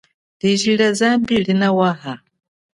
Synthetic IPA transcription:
diʒiɺazambilinawaɦa

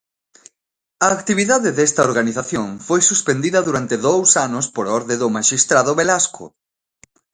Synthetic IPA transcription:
ɐːkt̪iβ̞iðaðɪðɛst̪ɐoɾɣaniθaθjoŋfojsuspend̪iðɐðuɾant̪ɪðowsanʊspoɾɔɾðeðʊmaʃist̪ɾaðʊβelaskʊ̰

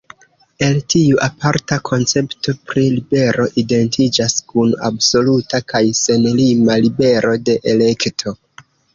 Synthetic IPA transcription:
e̞ltiuʔapaɾtakʰo̞nt͡se̞pto̞pɾilibe̞ɾʔo̞ʔide̞ntʰid͡ʒaskuna̰bso̞lutakajse̞nlimalibe̞ɾʔo̞de̞ʔele̞ktʰo̞

